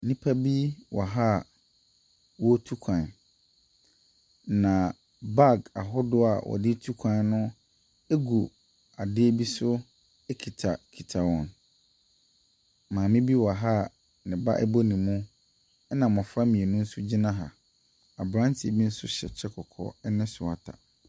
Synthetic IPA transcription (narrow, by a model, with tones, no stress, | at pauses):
nĩ˦pʰa˦bi˦wʔɔ˨ɦa˦˨ | wɔ˦tʰu˦kʷʰã˨n | nã˨ | ba˦˨ɡa˨ɦʊ˦dʊ˦a̰˨wʔɔ̰˨dɪ˦tʰu˦kʷʰã˨nnʊ̃˦ | e˦ɡu˨ | a˨dɪ˦e˦bi˦sʊ˦ | ɛ˦kʰi˨tʰa˨kʰi˨tʰa˨wɔ̃˨n | mãː˨mɪ̃˦bi˦wa˨ɦa˦˨ | nɪ̃˨ba̰˦ʔɛ˦bɔ˦nĩ˨mũ˦ | ɛ˦nã˨mɔ̃˨fɾa˦mĩ˨e˨nũ˦n̩˦sʊ˦d͡ʑi˦nã˦ɦa˨ | a˨bɾã˦ntʰɪ˨e˨bi˦n̩˦sʊ˦ɕɛ̰˨t͡ɕʰɛ˦kʰɔ˨kʰɔ̰˦˨ɛ˦nɪ̃˦sʊ˨a˨tʰa̰˨